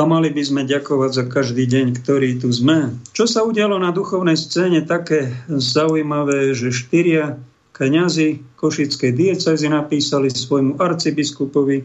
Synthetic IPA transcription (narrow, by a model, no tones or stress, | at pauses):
amalibizmɛɟakɔʋaɟzakaʒd̪iːɟɛɲkt̪ɔɾiːt̪uzmɛt͡ʃɔsauɟɪalɔnad̪uxɔʊnɛjst͡sɛːɲɛt̪akɛːzaujmaʋɛːʒɛʃt̪iɾɪa | kɲazikɔʃit͡skɛjd̪iɛt͡sɛzinapiːsalisʋɔjmuʔaɾt͡sibiskupɔʋi